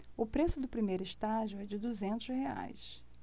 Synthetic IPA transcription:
ʊpɾesʊd̪ʊpɾimejɾʊɪʃt̪aʒʊɛd͡ʒɪd̪uzẽnt̪ʊzhea̰js

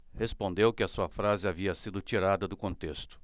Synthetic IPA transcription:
hespõnd̪ewkɪɐsuɐfɾazɪaviɐsid̪ʊt͡ʃiɾad̪ɐd̪ʊkõnt̪est̪ʊ̥

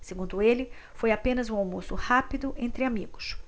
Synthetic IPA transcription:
seɡũnd̪ʊelɪ | fojapẽnɐzũawmosʊhapid̪ʊʔẽnt̪ɾɪamiɡʊs

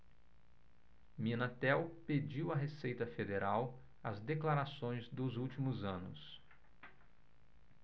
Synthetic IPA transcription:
mĩnat̪ɛwped͡ʒiwɐɦesejt̪ɐfed̪eɾaw | ɐzd̪eklaɾasõj̃zd̪ʊzuwt͡ʃimʊzɐ̃nʊ̰s

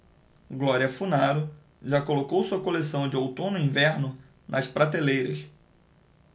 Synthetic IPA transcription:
ɡlɔɾiɐfunaɾʊ | ʒakolokowsuɐkolesɐ̃w̃d͡ʒɪowt̪õnʊĩvɛɾnʊ | nʔɐspɾat̪elejɾɐs

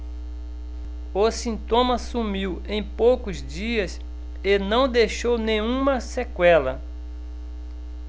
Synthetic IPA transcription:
osĩnt̪õmɐsumiwẽj̃powkʊzd͡ʒiɐs | enɐ̃w̃d̪eʃownẽj̃ũmɐsekwɛlɐ

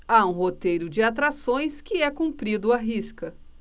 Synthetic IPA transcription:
aũɦot̪ejɾʊd͡ʒɪat̪̬ɾasõj̃skɪɛkũmpɾid̪ʊaɦiskɐ

